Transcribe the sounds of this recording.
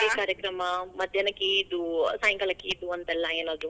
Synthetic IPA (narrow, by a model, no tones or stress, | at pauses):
ekaːɾjɐkɾɐmɐmɐd̪ʱjɐnɐkːiːd̪usaːjɐŋkɐlɐkːiːd̪uɐnt̪ɛlːɐeːnod̪ɾu